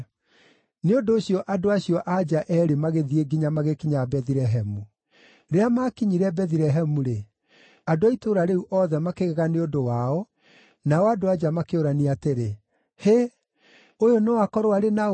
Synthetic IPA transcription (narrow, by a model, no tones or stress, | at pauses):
neondoːɕijɔʔadoaɕjɔʔad͡ʒaʔɛɾemaɣeðieɡiɲamaɣekiɲaabɛðiɾɛɦɛmu | ɾeamakiɲiɾɛbɛðiɾɛɦɛmuɾe | adoaitoɾaɾeuʔɔðɛmakeɣɛɣaneondowaɔ | naɔadoad͡ʒamakeoɾaniateɾe | he | ojonɔwakɔɾowaɾena